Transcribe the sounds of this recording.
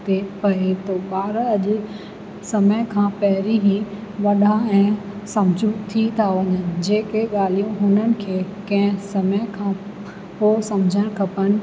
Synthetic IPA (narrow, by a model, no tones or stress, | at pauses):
t̪epɐet̪oɓaːɾɐʄʊ | sɐməjkʰãːpɐɦɪɾiɦĩ | ʋɐɗaɛ̃ː | sɐ̃md͡ʑʱũt̪ʰit̪ʰaʋɐɲənɪ̆d͡ʑeːkeɠaːl̤ijũɦʊnənɪ̆kʰeːkɐ̃ɦɪ̃sɐməjkʰãː | poːsɐmd͡ʑʱəɽ̃kʰɐpənɪ̆